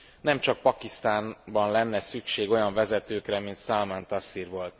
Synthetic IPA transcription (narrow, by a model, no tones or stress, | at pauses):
nɛmt͡ʃɒk̚pɒkist̪aːnbɒnlɛnːɛsykʃeːɡo̞jɒɱvɛzɛt̪øːkrɛmint̪salmant̪asirʋo̞lt̪